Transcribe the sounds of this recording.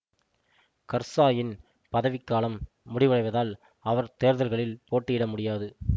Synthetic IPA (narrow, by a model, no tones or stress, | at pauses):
kɐɾsaːjɪn | pɐðɐʋɪkːaːlɐmː | ʊɽɪʋɯɐɽɐɪʋɐðaːl | ɐʋɐɾt̪eːɾðɐlɣɐɭɪlpoːʈːɪjɪɽɐmʊɽɪjaːðɯ